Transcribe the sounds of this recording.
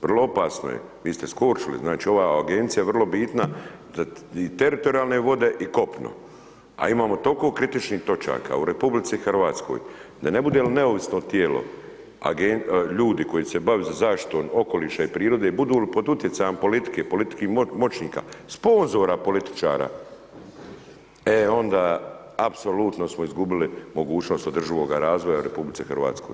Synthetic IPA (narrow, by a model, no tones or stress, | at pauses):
ʋrlˠoopaːsno̰jḛ | ʋiːst̪eskoːɾt͡ʃilḭznaːt͡ʃiːo̞ʋaːaɡent̪sijaʋrlo̞biːt̪na | d̪ait̪eɾit̪oɾijaːlˠneʋo̞d̪e̞ʔiko̞pno̰ | a̰imaːmo̞t̪olko̞ːkɾit̪it͡ʃniht̪o̞t͡ʃa̰ːka̰uɾe̞publit̪sixrɾʋaːt̪sko̰jd̪ane̞bud̪elneoʋisnot̪jeːlo̰ | a̰ɡeʎuːd̪iko̞jiːsebaʋezazaːʃt̪i̥t̪o̞ːmo̞ko̞liːʃaipɾiːɾo̞d̪ebud̪uːlipod̪ut̪je̞t̪sajempo̞lit̪i̥ke̞ːpo̞lit̪i̥kiːmo̞t͡ʃniːka̰spo̞nzo̞ːɾapo̞lit̪i̥t͡ʃa̰ːɾa̰ː | eo̞nd̪aː | apso̞lut̪no̞smoizɡubilimo̞ɡuːt͡ɕno̞ːst̪od̪r̩ʒiʋo̞ːɡaɾaːzʋojauɾe̞publit̪sixrʋa̰ːt̪sko̞̰j